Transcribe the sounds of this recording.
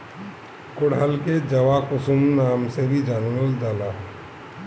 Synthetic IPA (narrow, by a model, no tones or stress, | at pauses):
kʊɽɦəlked͡ʒəʋakʊsumnaːmsebʱid͡ʒanʋəld̪aːla